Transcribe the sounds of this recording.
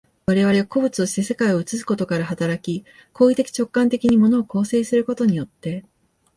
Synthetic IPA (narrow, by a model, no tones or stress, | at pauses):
βaɾe̞β̞aɾe̞ako̞bɯ̟t͡sɨo̞ɕi̥t̪e̞se̞kaio̞ɯ̟t͡sɨsɨ̥ko̞t̪o̞kaɾahat̪aɾakʲi | kʰo̞ːit̪e̞kʲi̥t͡ɕo̞kːãnt̪e̞kʲiɲ̟imo̞no̞ːko̞ːse̞ːsɨɾɯ̟ko̞t̪o̞ɲ̟ijo̞t̪ːe̞